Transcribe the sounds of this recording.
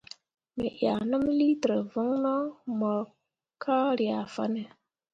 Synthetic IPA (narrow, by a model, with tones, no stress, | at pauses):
mḛ˨ʔja˨nə˦mli˦tə˨ɾə˨və˦ŋnɔ˦mɔ˨ɾ | kʰa˦ɾi˨a˨fa̰˦ne˨